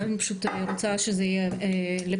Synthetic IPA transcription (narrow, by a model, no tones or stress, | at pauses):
enpḁʃut̪eɾot͡saʃezejele